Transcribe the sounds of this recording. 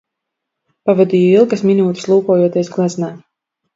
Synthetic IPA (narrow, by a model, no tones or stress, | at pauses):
pavad̪iːjɔilˠɡasminuːt̪ɨ̥slˠuːkuɔːjuɔt̪ʲiɛsɡlˠaznaː